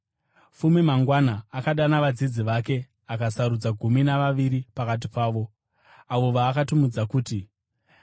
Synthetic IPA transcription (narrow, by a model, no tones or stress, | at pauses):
fumimaŋɡwanaːkaɗanaʋad͡zid͡ziʋake̞ | akasaɾud͡zaɡʱuminaʋaʋiɾipakat̬ipaːʋo̞ | aʋoʋaːkatumud͡zakuːti